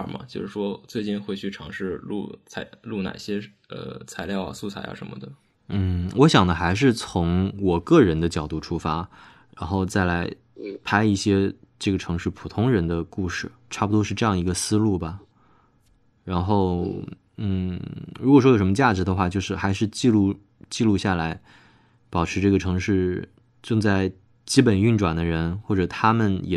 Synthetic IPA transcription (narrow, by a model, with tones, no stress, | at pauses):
mɐ̰˦t͡ɕjo˥˧ʊʂɻ̩˥˩ʂwɔ˥t͡swe˥˧ɪt͡ɕi˥˧nxwe˥˧ɪt͡ɕʰy˥˩ʈ͡ʂʰɑ˧˥ŋʂɻ̩˥˧lṵ˥˩t͡sʰa˧˥ɪlu˥˩na̰˨˩ɕjɛ˥ | ə̰˧˩t͡sʰa˧˥ɪljɑ˥˩ʊa̰˨˩su˥˩t͡sʰa̰˨˧˥ɪa̰˧˩ʂə̰˧˥nmə̰˧d̪ə˩ | n̩˥˩wʔɔ˧˥ɕjɑ˨˩ŋd̪ə˦xa˧˥ɪʂ̬ɻ̩˥˩t͡sʰʊ˧˥ŋwɔ˨˩kɤ˥˩ɻə˧˥nd̪ə˧t͡ɕjɑ˨˩ʊt̪u˥˩ʈ͡ʂʰu˥fa˥ | ɻa˧˥nxo˥˧ʊt͡sa˥˩ɪla˧˥ɪ | pʰa˥ɪi˥˩ɕjɛ˥ʈ͡ʂɤ˥˩ɡə˩ʈ͡ʂʰɤ˧˥ŋʂɻ̩˥˩pʰu˨˩t̪ʰʊ˥ŋɻə˧˥nd̪ə˧ku˥˧ʂɻ̩˥˩ʈ͡ʂʰa˥˩pu˨˩wɔ˥ʂɻ̩˥˧ʈ͡ʂɤ˥˧jɑ˥˩ŋi˧˥ɡə˧sɹ̩˥lu˥˩bɐ˩ | ɻa˧˥nxo˥˩ʊ | n̩˥˩ɻu˧˥kɔ˩ʂwɔ˥jʂmə˧t͡ɕja˥˩ʈ͡ʂɻ̩˧˥d̪ə˧xwa˥˩t͡ɕjo˥˧ʊʂɻ̩˥˩xa˧˥ɪʂɻ̩˥˧t͡ɕi˥˧lu˥˧ | t͡ɕi˥˧lu˥˧ɕja˥˩la˧˥ɪ | pɑ˨˩ʈ͡ʂʰɻ̩˧˥ʈ͡ʂɤ˥˩ɡə˩ʈ͡ʂʰɤ˧˥ŋʂɻ̩˥˩ | ʈ͡ʂɤ˥˧ŋt͡sa˥˩ɪ | t͡ɕi˥pə˨˩ny˥˩nʈ͡ʂwa˨˩nd̪ə˦ɻə˧˥nxwɔ˥˩ʈ͡ʂɤ˨˩t̪ʰa˥mə˨njɛ˨˩